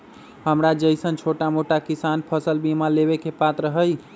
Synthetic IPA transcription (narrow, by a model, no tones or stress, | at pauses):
həmɾad͡ʒəjsənt͡ʃʰoʈamoʈakisanpʰəsəlbimaleβekepat̪ɾəɦəj